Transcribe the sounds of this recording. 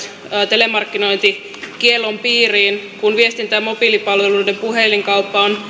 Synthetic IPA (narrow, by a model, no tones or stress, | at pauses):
t̪elemɑrkːino̞jnt̪i | kielːompiːriːnkunʋiest̪int̪æːmmo̞pilipɑlʋeluidempuheliŋkɑupːɑon